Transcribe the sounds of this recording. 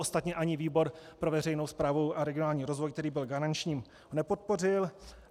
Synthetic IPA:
ost̪at̪ɲɛʔaɲɪviːbo̞ɾpɾo̞vɛrɛjno̞wspɾaːvowʔaɾɛɡɪonaːlɲiːɾo̞zvojk̚t̪ɛɾiːbɪlɡaɾant͡ʃɲiːm | nɛpo̞t̪̚po̞rɪl

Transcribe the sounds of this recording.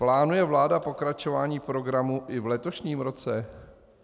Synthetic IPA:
plaːnujɛvlaːdapo̞kɾat͡ʃo̞vaːɲiːpɾo̞ɡɾamuʔɪvlɛt̪oʃɲiːmɾo̞t͡sɛ

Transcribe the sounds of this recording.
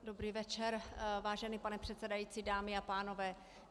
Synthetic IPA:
do̞bɾiːvɛt͡ʃɛɾvaːʒɛnipanɛpr̝̥ɛt̪sɛdajiːt͡siːdaːmɪapaːno̞vɛː

